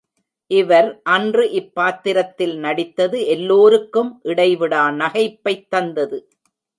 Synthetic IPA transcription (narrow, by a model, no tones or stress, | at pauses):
ʔɪʋɐɾʔɐndrɯʔɪpːaːt̪ːɪɾɐt̪ːɪlnɐɽɪt̪ːɐðɯɛlːoːɾɯkːɯmʔɪɽɐɪʋɪɽaːnɐɣɐɪpːɐɪt̪ːɐnd̪ɐðɯ